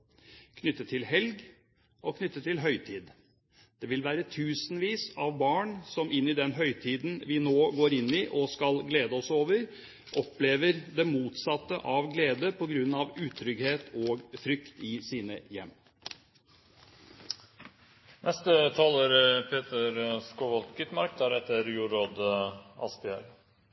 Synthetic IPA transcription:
kʰnʏt̪ːət̪ʰːɪlɦɛlɡ | ɔkʰnʏt̪ːət̪ʰːɪlɦœʏt̪ʰiːd̪ | d̪̥ɛʋɪlʋæːɾət̪ʰʉːsnʋiːsɑʋbɑːɳsɔmʔɪnːɪd̪ɛnɦœʏt̪ʰiːd̪n̩ʋɪnoːɡoːɾɪnːɪʔɔskɑlɡleːd̪əɔsoːʋəɾ | ʔɔpleːʋəɾd̪ɛmuːt̪sɑt̪ːəʔɑʋɡleːd̪əpʰɔɡɾʉnːɑʋʉːt̪ʰɾʏɡheːt̪ʰoːɡfɾʏkt̪ɪsiːnəjɛmː | nʔɛst̪ət̪ʰɑːləɾpʰeːt̪əɾskɔʋɔlt̪ɡʏt̪mɑɾk̚d̪æɾɛt̪ːəɾjuːɾoːd̪ɑ̰spɪæ̰ɾ

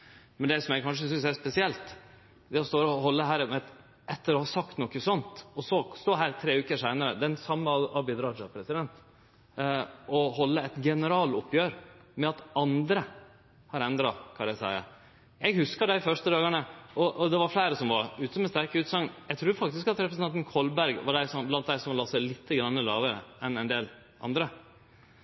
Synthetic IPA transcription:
mɛnd̪ɛsɔmæɪkʰɑnʂ̬əsʏnsæspɛsɪɛlt̪ | d̪ɛɔst̪oːɾɔɦɔlːəɦæːɾɛt̪ | ɛt̪ːəɾɔhɑsɑkt̪nɔkːəsɔnt̪ɔsɔst̪oːɾɦæːɾt̪ʰɾeːʉːkəʂæɪnəɾəd̪ɛnsɑmːəɑɑbɪd̪ɾɑd͡ʒɑpʰɾɛsɪd̪ɛnt̪ | ɔhɔlːəɛt̪ɡɛnəɾɑːlɔpːjøːɾmɛɑt̪ɑnd̪ɾə | hɑɾɛnd̪ɾɑkʰɑæɪsæ̰ɪə̰ | ɛɡhʉskɑd̪æɪfœʂt̪əd̪ɑːɡɑɳəɔʔɔd̪ɛʋɑɾflæɪɾəsɔmʋɑɾʉːt̪əɔmɛst̪æɾkəʉːt̪sɑŋnjæɡt̪ʰɾʉːɾfɑk̚t̪ɪskɑt̪ɾɛp̬ɾəsn̩ʰɑnt̪nkʰɔlbæɾɡʋɑɖæɪsɔmblɑnt̪̚d̪æɪsɔmlɑːsæɪlɪt̪ʰːəɡɾɑnːəlɑːʋəɾə̰ɛnɛɪnd̪eːl | ʔɑ̰nd̪ɾə

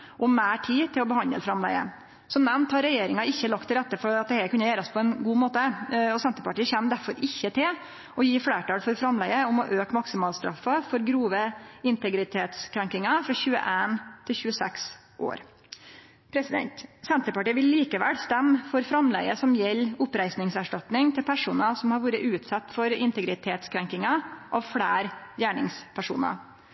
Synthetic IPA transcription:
ʔɔmmæːʈʰiːt̪ʰɪlɔbəhɑnd̪əlfɾɑmlæ̰ɪə̰ | sɔmnɛmnt̪hɑɾɛjeːɾɪŋɑɪçːəlɑk̚t̪ʰːɪlɾɛt̪ːəfɔɾɑt̪̚d̪ɛhɛkʰʉnːəjæːɾəspʰɔɛnɡuːmoːt̪əɔsɛnt̪əɾpɑʈiːəçɛmd̪æɾfɔɾɪçːət̪ʰɪl | ɔjiːfɽeːʈɑːlfɔɾfɾɑmlæɡəʊmɔʔøːkmɑksɪmɑːlst̪ɾɑ̰fːəfɔɾɡɾuːʋəɪnt̪ɛɡɾɪt̪ʰeːt̪skʰɾæŋkɪŋɑfɾɑçʉːə̰ʔeːnt̪ʰɪlçʉːəsɛks | ʔo̰ːɾ | pʰɾɛsɪd̪ɛ̰nt̪sɛnt̪ɾəpɑʈiːʋɪlːiːkəʋæ̰lst̪ɛmːfɔɾfɾɑmlɛ̰ɪəsɔmjɛlːʊpɾæɪsnɪŋsæʂʈɑt̪nɪŋt̪ʰɪlpʰæʂuːnəsɔmhɑɾʋuːɾəʔʉːt̪sɑt̪ːfɔɾɪ̰nt̪əɡɾɪt̪ʰeːt̪skʰɾɛŋkɪŋɑʔɑʋfɽæːɾjæːɳɪ̰ŋspʰæʂṵːnɑ̰

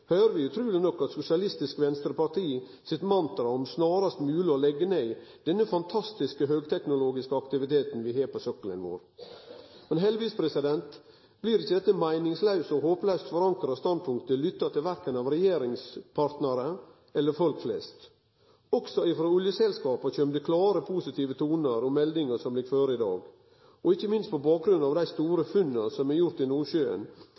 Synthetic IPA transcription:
høːɾəʋɪʉt̪ʰɾʉːlɪnɔkːɑt̪sʊsɪɑlɪst̪ɪskʋɛnst̪ɾəpɑʈ̪ʰiː | sɪt̪mɑnt̪ɾɑɔmsnɑːɾɑst̪mʉːlɪɔlɛɡːəneɪd̪̥ɛnːəfɑnt̪ʰɑst̪ɪskəɦøːɡt̪ʰɛknʊloːɡɪskəɑkt̪ɪʋɪt̪ʰeːt̪nʋɪɦeːɾpɔsœkːələ̰nʋo̰ːɾ | mɛnɦɛlʋiːspʰɾɛsɪd̪ɛnt̪ | bliːɾɪçːəd̪ɛt̪ːəmæɪnɪŋslɑʉsɔhoːplœst̪fɔɾɑŋkɾɑst̪ɑnd̪̚pʰʊŋkt̪əlʏt̪ːɑt̪ɪlʋæɾkənɑʋɾɛjeːɾɪŋspʰɑɾt̪nəɾə | ɛlːəɾfɔlkflɛ̰st̪ | ɔksɔɪfɾoːʊljəsɛlskɑːpɑçœmd̪ʉkʰlɑːɾəpʰusɪt̪ʰiːʋət̪ʰuːnəɾɔmɛld̪ɪŋəsɔmlɪɡkføːɾɪd̪ɑ̰ːɡ | ɔɪçːəmɪnst̪̚pʰɔbɑːk̚ɡɾʉnːɑːʋd̪æɪst̪uːɾəfʉnːəsɔmæɾjʊɾt̪ɪnuːɕøːə̰n

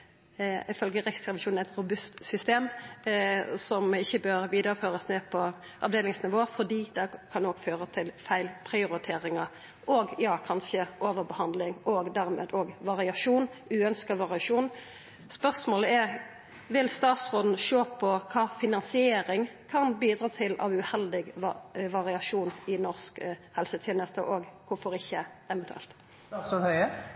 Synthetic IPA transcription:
ɪfœlɡəɾɛksɾɑʋɪʃuːnæɪt̪ɾʊbʉst̪sʏst̪eːm | sɔmɪçːəbøːɾʋiːd̪əɾəføːʁəsneːpʰɔ | ʔɑʋd̪eːlɪŋsnɪʋoːfɔʁd̪iːd̪ɛkʰɑnoːɡføːʁət̪ʰɪlfæɪlpʰɾɪʊɾɪt̪ʰeːʁɪŋɑ | ʔoːɡjɑːkʰɑnʃəʔoːʋəʁbəhɑnd̪lɪŋoːɡd̪æɾmḛːd̪oːɡʋɑʁɪɑʂuːnʉːœnskɑʋɑʁɪɑʂuːn | spœʁsmoːləɛʁ | ʋɪlst̪ɑːt̪sʁoːd̪n̩ʃoːpʰɔkʰɑːfɪnɑnsɪeːɾɪŋkʰɑnbiːd̪ʁɑːt̪ʰɪlɑ̰ʋʉhɛld̪ɪɡʋɑʁɪɑʂuːnɪnɔʁskhɛlsət̪ʰɪnət̪əʔoːɡkʰʊfɔʁɪçːəɛʋɛnt̪ʉɛ̰lt̪ | ohœə

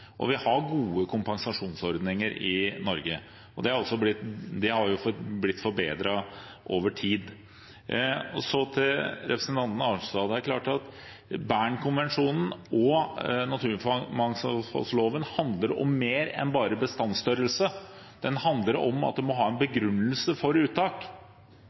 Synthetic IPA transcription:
ʔɔ̰ʋɪhɑɾɡuːəkʰʊmpɑŋsɑʂuːnsɔɾd̪nɪŋəɾɪnɔɾɡə | ɔd̪ɛhɑɾɔsːɔblɪt̪d̪ɛhɑɾjʊfblɪt̪ːfɔɾbeːd̪ɾɑ | ʔoːʋəʈʰiːd̪ | ɔsɔt̪ʰɪlɾɛpɾəsnt̪ʰɑnt̪nəɑːt̪ɑːd̪əæɾkʰlɑːʈɑt̪ | bæːɳkʰʊnʋɛnʂuːnn̩ɔnɑt̪ʰʉːɪnfmɑŋsfɑ̰lsloːʋənhɑnd̪ləɾɔ̰mːeːɾɛ̰nbɑːɾəbəst̪ɑnst̪œɾəlsə | d̪̥ɛnhɑnd̪ləɾɔmɑ̰t̪̚d̪ɛmɔɦɑːɛnbəɡɾʉnːəlsəfɔɾʉːt̪ːɑːk

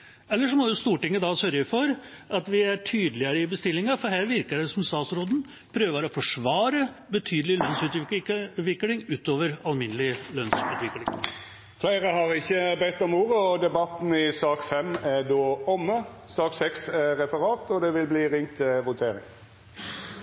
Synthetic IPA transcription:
ɛlːəʂɔmɔd̪ʊst̪uːʈɪŋːəd̪ɑsœɾjəfɔɾʔɑt̪ʋɪæʈʰyːd̪əlɪəɾəɪbəst̪ɪlːɪŋɑfɔɦæːɾʋɪɾkəɖɛsɔmst̪ɑːt̪sɾoːd̪n̩ | pʰɾøːʋəɾɔfɔʂʋɑːɾəbət̪ʰyːd̪əlɪlœnsʉːt̪ʋʋɪkːlɪŋʉːt̪oːʋəɾɑlmɪnəlɪlœnsʉːt̪ʋɪklɪŋ | flæɪʁəhɑʁɪçːəbɛt̪ːɔmuːɾəɔd̪ɛbɑt̪n̩ɪsɑːkfɛmæd̪oːɔmːəsɑːksɛksæʁɛfəʁɑːt̪ɔd̪ɛʋɪlbliːʁɪŋt̪ʰɪʋʊt̪ʰeːɾɪ̰ŋ

